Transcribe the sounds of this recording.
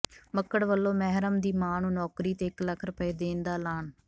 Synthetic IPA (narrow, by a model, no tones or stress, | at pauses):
məkːəɽʋəlːõːmɛɦɾəmd̪iːmaːnũːnɔːkɾiːt̪eːɪkləkʰɾəpəeːd̪eːnd̪aːlaːn